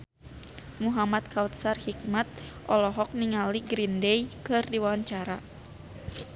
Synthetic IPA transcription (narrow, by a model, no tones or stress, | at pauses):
muɦamat̪̚kʰawt̪̚sarhik̚mat̪̚ʔɔlɔɦɔk̚niŋaliɡɾindɛjkɨrdiwaɲt͡ʃaɾa